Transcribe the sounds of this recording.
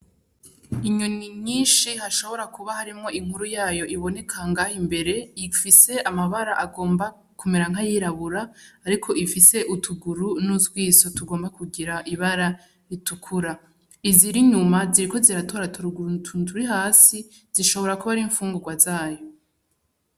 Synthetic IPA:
iɲuniɲiːnʃihaʃo̞βo̞ɾakuβahaɾimŋo̞ʔiŋ̥huɾujaːjo̞ʔiβo̞ne̞kʰaŋɡaːhimbe̞ɾe̞ifise̞ʔamaβaɾaʔaɡo̞ːmba | kumeɾaŋɦajiɾaβuɾaːɾikʰo̞ifise̞ʔutʰuɡuɾunuzɡwiːso̞tuɡo̞ːmbakuɡiɾaʔiβaɾa | itukʰuɾa | iziɾiɲumaziɾiko̞ziɾato̞ːɾatuɾɡtʰutuɾiɦaːsi | z̥iʃo̞βo̞ɾakuβaɾiɱfuːŋɡuɡwazaːjo̞

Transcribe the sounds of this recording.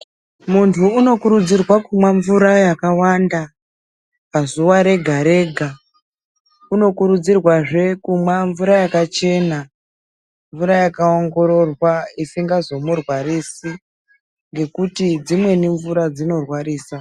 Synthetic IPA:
muntʰuːno̞kuɾud͡zirwakumwaɱvuɾajakawanda | pazuʋaɾe̞ɡʱaɾe̞ɡʱa | uno̞kuɾud͡zirwaʐe̞kumwaɱvuɾajakat͡ʃe̞na | ɱvuɾajakao̞ŋɡo̞ɾo̞rwaisiŋɡazo̞murwarisi | ŋɡe̞kutid͡zimwe̞niɱvuɾad͡zino̞rwariːsa

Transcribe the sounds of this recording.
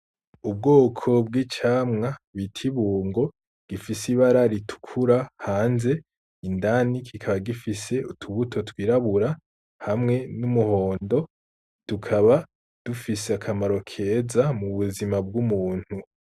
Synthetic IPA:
ub̚ɡoːkʰo̞bɡiːt͡ʃaːmŋaβitʰiβuːŋɡo̞ | ɡ̥ifisiβaɾaɾitʰu̥kʰuɾahaːnze̞ | indanikʰikʰaβaɡifise̞utʰuβutʰo̞twiːɾaβuɾa | hamŋe̞numuho̞ːndo̞ | d̥ukʰaβa | d̥ufiseakʰamaɾo̞kʰe̞ːzamuβuzimab̚ɡumuːn̥hu

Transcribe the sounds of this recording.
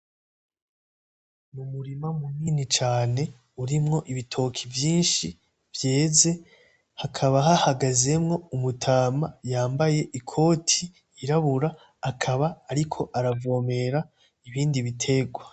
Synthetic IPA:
numuɾimamuniːnit͡ʃaːne̞ | uɾimŋo̞ʔiβitʰo̞kʰivjiːnʃi | vje̞ːze̞ | hakʰaβaɦahaɡaze̞mŋo̞umutʰaːmajaːmbaje̞ʔikʰo̞ːtʰiː | ɾaβuɾaː | kʰaβaːɾikʰo̞ʔaɾavo̞ːme̞ɾa | iβiːndiβitʰe̞ɡwa

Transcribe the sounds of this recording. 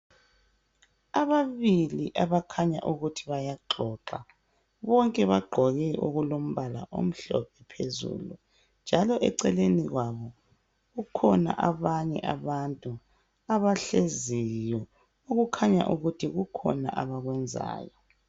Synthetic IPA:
aβaβiliʔaβakʰaɲa̰ʔuɣutʰiβajaǃʱɔǁa | βɔŋkʼɛβaɡ͡ǃʱɔɣɛʔoɣulom̩βala̰ʔo̰m̩ɬɔ̰p̚ʰɛpʰezṵlu | nd͡ʒʱalɔʔɛǀɛleniɣwaβɔ | ɣukʰɔna̰ʔaβaɲɛ̰ʔaβantʼu | aβaɬezijɔ | oɣukʰaɲa̰ʔuɣutʰiɣukʰɔ̰na̰ʔaβaɣwɛnd͡zʱa̰ːjɔ

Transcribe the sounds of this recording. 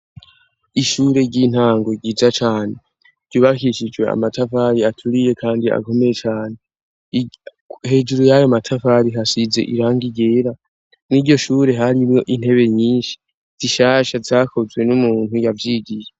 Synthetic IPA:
iʃuːɾe̞ɟin̥haːŋɡoɡiːzat͡ʃaːne̞ | ɟ̥uːβakiʃid͡ʒwe̞a̰matʰafaɾiatʰuɾije̞kʰaːndia̰ko̞me̞jet͡ʃaːne̞ | he̞ːd͡ʒuɾujajomatʰafaɾiɦasize̞̰ʔiɾaːŋɡiɡeːɾa | niɟo̞ʃuːɾe̞ɦaɾimjo̞ʔin̥he̞βe̞ɲiːnʃi̥ | z̥iʃaʃazakʰo̞zwe̞numuːn̥hujavjiːɡije

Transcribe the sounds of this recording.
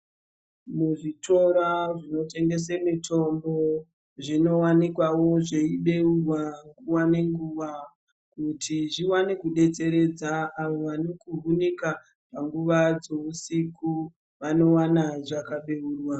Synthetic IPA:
muʐitʰo̞ɾaʐino̞te̞ŋɡe̞s̬emitʰo̞mbo̞ | ʐino̞wanikwawo̞ʐe̞iɓeurwaŋɡuwane̞ŋɡuʋa | kutʰiʐiwanekuɗe̞t͡se̞ɾe̞d͡zaːʋoʋanokuɦunika | paŋɡuʋad͡zousiku | ʋano̞wanaʐakaɓe̞uːrwa

